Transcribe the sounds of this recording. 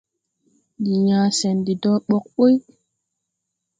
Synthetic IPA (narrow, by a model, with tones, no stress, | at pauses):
di˨jãː˨sɛ˨ndi˨dɔ˦ɓɔ˦k̚ɓo˦j